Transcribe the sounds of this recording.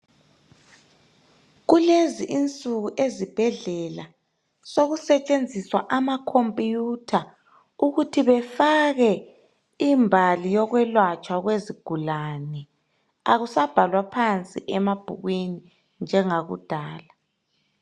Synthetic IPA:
ɣuleziʔint͡sʼuɣuʔezib̥ʱɛɮɛla | soɣusɛt͡ʃʼend͡zʱiswaʔamakʰompʼjutʰa | uɣutʰiβɛfaɣɛ | imbʱalijɔɣwɛlwat͡ʃʼwaɣweziɡ̥ʱulanɛ | aɣusab̥ʱalwapʰant͡sʼḭʔɛmab̥ʱṵɣweni | nd͡ʒʱɛŋaɣṵd̥ʱaːla

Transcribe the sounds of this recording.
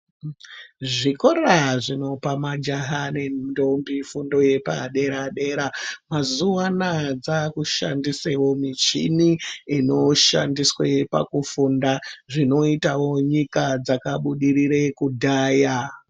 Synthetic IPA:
ʐiko̞raʐino̞pamad͡ʒaɦane̞dombifundo̞je̞pa̰ɗe̞ɾaɗe̞ɾamazuanad͡zakuʃa̰ndisewo̞mit͡ʃḭniino̞ʃa̰ndiswe̞pa̰kufundaʐino̞itawo̞ɲikad͡zakaɓuɗiɾire̞kudʱaːja

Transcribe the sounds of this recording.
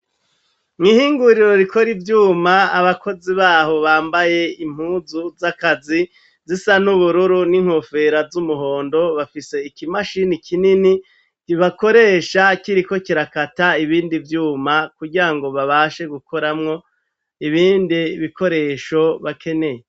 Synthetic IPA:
ŋ̥ihiːŋɡuɾiɾo̞ɾikʰo̞ɾivjuːmaa̰βako̞ziβaːho̞βaːmbaje̞im̥huːzuzakazi | zisan̥uβuɾuɾuniŋ̥ho̞fe̞ɾazumuɦo̞ːndo̞βafise̞ikimaʃinikʰinini | ɾiβako̞ɾe̞ːʃakiɾikokiɾakataiβiːndivjuːmakuɡiɾaŋɡo̞βaβaːʃe̞ɡukʰo̞ɾamŋo̞ | iβiːndiβiko̞ɾe̞ːʃo̞βakʰe̞ne̞je

